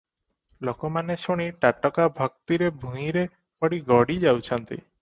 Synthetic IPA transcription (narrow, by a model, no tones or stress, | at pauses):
lokɔmanesuɽ̃iʈaʈɔkabʱɔk̚t̪iɾebʱũĩɾe | pɔɽiɡɔɽid͡ʒawt͡ʃʰɔnt̪ḭ